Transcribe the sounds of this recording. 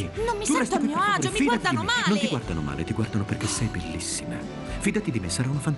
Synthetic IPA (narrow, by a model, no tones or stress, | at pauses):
nomːiuɛjst̪at̪amfiːd̪at̪inmanont̪iɡward̪anoma̰ːlḛt̪iɡward̪anoperk̟esːɛjbelːisːima | fiːd̪at̪id̪imesːaɾaunafant̪